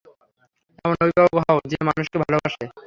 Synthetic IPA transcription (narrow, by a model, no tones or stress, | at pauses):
ɛmonobibaboɦaod͡ʑemanuʃkebʱalobaʃe